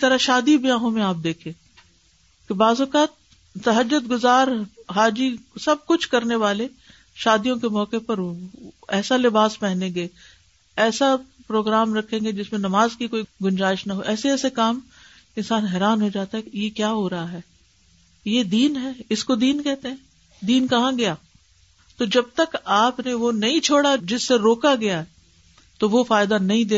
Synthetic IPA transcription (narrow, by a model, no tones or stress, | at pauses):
t̪ɐɾaʃaːd̪ibijãːɦõmẽaːp̚d̪eːkʰẽː | kebaːzʊkaːt̪̚ | t̪ɐɦəd͡ʒːʊd̪ɡʊzaːɾɦaːd͡ʒisɐb̚kʊt͡ʃʰkɐɾneʋaːle | ʃaːd̪ijõkemɔːkepɐɾ | ɛːsalɪbaːspɛɦnẽɡeː | ɛːsapɾoːɡɾaːmɾɐkʰːẽːŋɡed͡ʒɪsmẽnɐmaːzkikoːiɡʊnd͡ʒaːɪʃnɐɦoʔɛːseɛːsekaːm | ɪ̃nsaːnɦɛːɾaːnɦod͡ʒaːt̪aɦɛjekjaːɦoɾɐɦaɦɛː | jed̪iːnɦɛːɪskod̪iːnkɛɦt̪ẽɦɛ̃ː | d̪iːnkɐɦãɡɐjaː | t̪od͡ʒɐb̚t̪ɐkaːpneʋonɐɦĩt͡ʃʰoːɽad͡ʒɪsːeɾoːkaɡɐjaɦɛ | t̪oʋofaːjɪd̪anɐɦĩd̪eː